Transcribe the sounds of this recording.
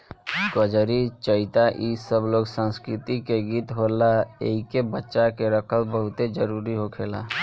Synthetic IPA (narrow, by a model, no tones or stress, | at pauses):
ɡəd͡ʒɾit͡ʃəit̪aʔisəbloɡsãnskɾit̪ikeɡiːt̪ɦolaḛikebətːʃakeɾəkʰəlbəɦʊt̪ed͡ʒəɾuɾiɦokʰela̰